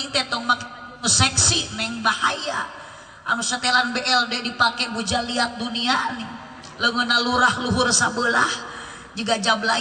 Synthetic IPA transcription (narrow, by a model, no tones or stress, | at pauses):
iŋt̪ɛt̪ɔŋmak | musɛksinɛŋbahaja | ʔːmusat̪ɛlanbɛʔɛldɛdipakɛbud͡ʒaliat̪̚duniani | ləŋənaluɾahluɦʊrsabəlah | d͡ʒəɡad͡ʒabla